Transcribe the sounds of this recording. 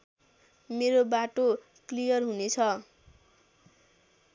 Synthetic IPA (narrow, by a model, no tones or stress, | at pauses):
meɾobaʈo | klijʌrɦunet͡sʰʌ